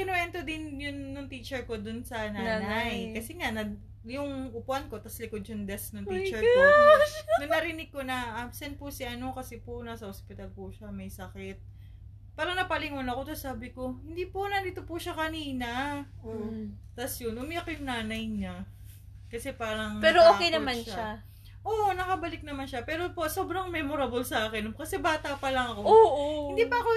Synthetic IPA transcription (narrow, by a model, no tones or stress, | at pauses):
ɡɪnwɛnt̪od̪ɪnjʊnːʊŋt̪iːt͡ʃɛɹko̞d̪ʊnsɐnanajkɐsɛŋanɐ | jʊŋʔʊpʊʔɐnko̞t̪ɐslɪkod̪̚ʃɐŋd̪ɛsnʊŋit͡ʃɛɹo | nʊŋnɐɾɪnɪɡ̚kːo̞nɐʔabsɛnt̪̚pʊsɪʔɐno̞kɐsɛpʊnasɐʔospɪt̪alpʊʃamɐjsɐkɛt̪̚ | paːɾɐŋnɐpɐlɪŋonɐko̞t̪ɐsːaːbɪko̞hɪnd̪iːponɐd̪iːt̪opʊʃakɐniːnɐ | t̪ɐsjonʔʊmɪʔɐkojʊŋnaːnɐjɲa | kɐsɛpaːɾɐŋpɛːɾoʔoːkejnɐmanʃa | ʔoːʔonɐkɐbɐlɪk̚nɐmanʃapɛːɾo̞poso̞ːbɾɐŋmɛːmoɾabolsɐʔaːkɛnkɐsɛbaːt̪ɐpɐlɐŋɐko̞oʔhnd̪ipɐɐko